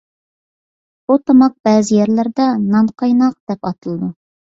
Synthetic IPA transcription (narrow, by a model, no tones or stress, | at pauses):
b̥ut̪ʰɑmɑq̚b̥æːzɪjɛɾlæɾd̪ɛnɑɴqʰɑjnɑq̚d̪̥ɛpɑt̪ɨlˠɨd̪u